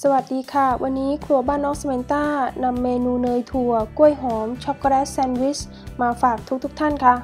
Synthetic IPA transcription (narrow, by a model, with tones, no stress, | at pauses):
sa˧wa˨˩t̪̚diː˧kʰa˥˩wʔa˧nːiː˦˥kʰlu˧˩ɐbaː˥˩nːɔː˦˥ŋsa˧me˨˧˦nt̪aː˥˩na˧mːeː˧nuː˧nɤː˧jt̪ʰu˧ɐku˥˩əjɦɔː˩˦mt͡ɕʰɔ˦˥p̚kɾɛː˦˥sːɛ˧nwi˦˥t͡ɕ | maː˧faː˨˩k̚t̪ʰu˦˥k̚t̪ʰu˦˥kt̪ʰa˥˩nkʰa˦˥˩